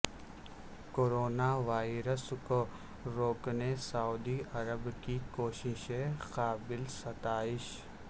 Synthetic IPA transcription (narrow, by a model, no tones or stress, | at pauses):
koɾoːnaʋaːɪɾəsko | ɾoːknesauːd̪iɐɾəbkikoːʃɪʃẽqaːbɪlsɐt̪aːɪʃ